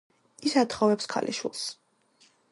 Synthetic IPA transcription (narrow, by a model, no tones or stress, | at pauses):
isat̪χɔvɛpskʰa̰lʔḭʃwḭlˠs